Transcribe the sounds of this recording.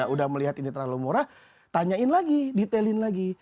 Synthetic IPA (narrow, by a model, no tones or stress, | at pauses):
audahməliɦat̪init̪əɾalomoɾa | t̪aɲaɪnlaɡidit̪elɪnlaɡi